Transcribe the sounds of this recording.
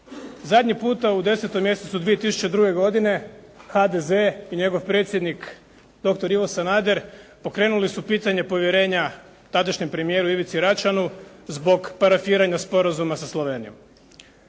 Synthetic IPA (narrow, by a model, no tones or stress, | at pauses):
zad̪ɲipuːt̪aud̪e̞se̞t̪omje̞set̪sud̪ʋijet̪isu̥t͡ɕed̪ɾuːɡe̞ɡo̞d̪ine̞ | xad̪e̞ze̞iɲe̞ɡo̞ʋpɾe̞ːt̪sjed̪nik | d̪̥o̞k̚t̪oɾiʋo̞sanaːd̪e̞ɾpo̞kɾe̞ːnulisupiːt̪aɲe̞po̞ʋje̞ɾe̞ːɲa | t̪ad̪aʃɲe̞mpɾe̞mije̞ɾuiʋit̪siɾat͡ʃanuzbo̞ɡpaɾafiːɾaɲaspo̞ɾazumasaslˠo̞ʋe̞ːnijo̞̰m